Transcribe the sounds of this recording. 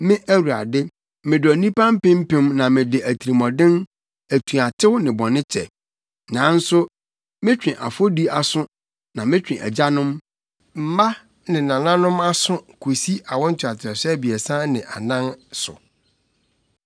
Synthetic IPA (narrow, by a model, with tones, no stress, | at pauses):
mɪ̃˦ʔæ˦wu˨a̰˨dɪ˦ | mɪ̃˨dʊ˨æ˨nĩ˦pã˦m̩˦pɪ̃˦m̩˦pɪ̃˦mnã˨mɪ̃˨dɪ˨ʔæ˨tʰi˨ɾi˨mɔ̃˨dɪ̃˦n | æ˨tʰũ˨a˨tʰɪ˦wnɪ̃˨bɔ̃˨nɪ̃˦t͡ɕʰɛ̰˨ | nã˨˦n̩˦sʊ˦ | mɪ̃˦t͡ɕᶣɪ̃˨ʔa˨fo˦di˦a˨sʊ̃˦ | nã˨mɪ̃˦t͡ɕᶣɪ̃˨ʔæ̰˨d͡ʑa˦nʊ̃˦m | m̩˨ma˦ | nɪ̃˨nã˨nã˦nʊ̃˦ma˦sʊ̃˦kʰu˨si˦ʔa˨wɔ̃˦n̩˦tʰa˨tʰɪ˨ɛ˨sɛ˦bi˨ɛ˨sã˦nɪ̃˨ʔa˨nã˦nsʊ̰˨